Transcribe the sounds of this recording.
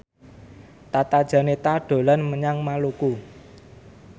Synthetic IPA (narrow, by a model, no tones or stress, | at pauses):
t̪at̪ad̥ʒ̥a̤net̪aɖ̥o̤lanməɲaŋmaluku